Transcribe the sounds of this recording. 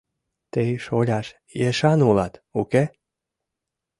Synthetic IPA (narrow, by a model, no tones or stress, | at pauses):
t̪eʃolʲaʃ | jeʃɑnulat̪uke